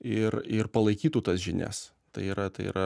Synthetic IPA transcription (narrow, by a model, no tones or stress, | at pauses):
ɪɾɪrpɐlˠɐɪkʲiːt̪uːt̪ɐsʒʲɪnʲæ̰s | t̪ɐ̰ɪiːɾɐt̪ɐɪḭːɾʔɐ